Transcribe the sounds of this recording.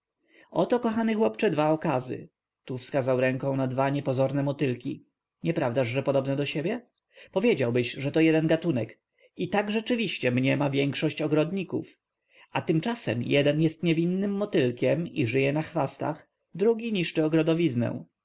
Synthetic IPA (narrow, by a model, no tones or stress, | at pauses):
ɔt̪ɔkɔxanɘxwɔpt͡ʂɛd̪vaɔkazɘ̰ | t̪ufskazawɾɛŋkɔ̃w̃nad̪vaɲɛpɔzɔɾnɛmɔt̪ɘlkʲi | ɲɛpɾavd̪aʐʐɛpɔd̪ɔbnɛd̪ɔɕebʲjɛ | pɔvʲjed͡ʑawbɘɕʐɛt̪ɔjɛd̪ɛnɡat̪unɛk | it̪aɡʐɛt͡ʂɘvʲiɕt͡ɕɛmɲɛmavʲjɛŋkʂɔɕt͡ɕɔɡɾɔd̪ɲikṵf | at̪ɘmt͡ʂasɛmjɛd̪ɛnjɛst̪ɲɛvʲinːɘmːɔt̪ɘlkʲɛmiʐɘjɛnaxfast̪a̰x | d̪ɾuɡʲiɲiʂt͡ʂɘɔɡɾɔd̪ɔvʲiznɛ̰̃w̃